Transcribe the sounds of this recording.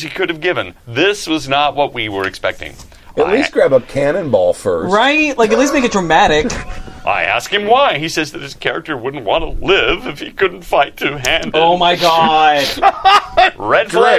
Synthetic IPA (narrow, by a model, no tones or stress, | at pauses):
z̥ikʰʊɾɨvɡɪvɨ̃nðɪswʌznət̚wʌt̚wiwə˞ɨkspɛk̚tɪ̰̃ŋ | ʔɨʔˡlisɡ̥ɹæbʌp̚kʰænɨ̃nbɔlˠfɜ̰˞ɹaɪt̚laɪkɨtˡlismeɪkɨtdɹəmæɾɪkʔa̰ɪæ̰skhɨ̃mwaɪisɛzðɨt̚hɨz̥kʰɛɹɨ̰k̚tə˞wʊdⁿn̩ʔ̚wɑ̰̃nəlɪvɨfhikʰʊdⁿn̩tfaɪtʰɨɦæ̃ndoʊmaɪɡɑd̥ | ɹɛdf